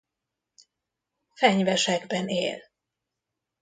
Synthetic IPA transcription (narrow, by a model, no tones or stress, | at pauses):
fɛɲvɛʃɛɡbɛnḛːl